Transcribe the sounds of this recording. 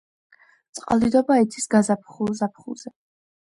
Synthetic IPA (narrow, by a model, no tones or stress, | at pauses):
t̪sʼqʼalˠid̪ɔbait̪sʰisɡazapʰχulˠzapʰχṵlˠz̥ɛ